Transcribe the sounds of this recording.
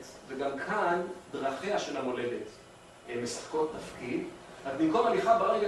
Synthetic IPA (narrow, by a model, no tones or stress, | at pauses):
t | veɡamkʰandʁaχeaʃe̞lamo̞le̞det | emesḁχko̞tːafkid̪ | azmimkomaliχabaʁeɡa